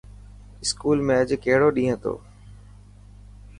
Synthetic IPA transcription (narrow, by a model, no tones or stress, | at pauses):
ɪskuːlmẽːəd͡ʑkeɦɪɽoːɗĩːɦə̃t̪o̰ː